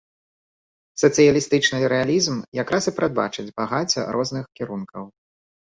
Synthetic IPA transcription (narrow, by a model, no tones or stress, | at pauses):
sɐt̪sɨjɐlʲist̪ɨt͡ʂnɨɾɛalʲizmjakɾasɨpɾad̪̚ba̰t͡ʂɨd͡zʲbaɣat͡sʲɐ̰ɾʔɔznɨxkʲiɾunkɐw